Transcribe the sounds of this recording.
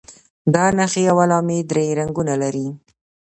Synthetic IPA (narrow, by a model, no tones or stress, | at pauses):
d̪ɑnaxeawalɑmed̪ɾeɾaŋɡunalaɾi